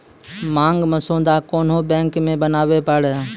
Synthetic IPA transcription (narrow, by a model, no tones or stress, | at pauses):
mãːŋɡməsõːnd̪aːkoːn̤ɦoːbɛ̃ːŋkmẽːbənaːʋeːpəɽ